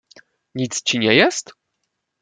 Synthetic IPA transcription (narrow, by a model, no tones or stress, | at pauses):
ɲit̪st͡ɕiɲɛjɛst̪